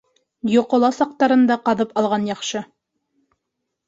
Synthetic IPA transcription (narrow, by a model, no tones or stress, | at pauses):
jŏqŏlˠɑsɑq̚t̪ɑɾɤ̆nd̪ɑqɑðɤpɑlˠʁɑnjɑχʃɤ